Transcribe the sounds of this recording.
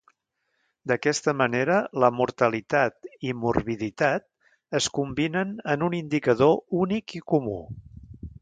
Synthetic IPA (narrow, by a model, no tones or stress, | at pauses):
d̪əkɛst̪əməneɾələmuɾt̪əlit̪at̪imuɾβiðit̪at̪̚ | əskumbinənənunind̪ikəðounikikumṵ